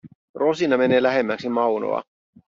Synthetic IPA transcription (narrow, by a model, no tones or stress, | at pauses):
ro̞sinɑme̞ne̞ːlæɦemːæksimɑwno̰ɑ̰